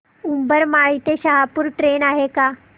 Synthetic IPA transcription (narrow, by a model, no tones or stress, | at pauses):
umbəɾmaɭit̪eɕaɦapuɾʈɾenaɦeka